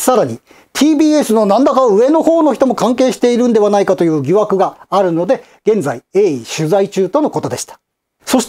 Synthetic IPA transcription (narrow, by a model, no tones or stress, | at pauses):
saɾaɲ̟i | t̪ʲʰiːbʲiːe̞sɨno̞nãnd̪akaɯ̟e̞no̞ho̞ːno̞çi̥t̪o̞mo̞kãŋke̞ːɕi̥t̪e̞iɾɯ̟̃nd̪e̞βanaikat̪o̞jɯ̟ːɡʲiβakɯ̟ɡaːɾɯ̟no̞d̪e̞ | ɡ̥ẽ̞nd͡zaieːiɕɨzait͡ɕɨːt̪o̞no̞ko̞t̪o̞d̪e̞̰ɕi̥t̪ḁ | so̞ɕi̥t̪